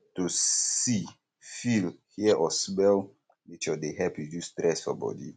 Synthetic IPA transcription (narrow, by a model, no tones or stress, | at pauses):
tui | filhiəʔɔsbɛl | mit͡ʃɔdeɦɛpud͡ʒust̪ɾɛsfɔbɔ̰dḭ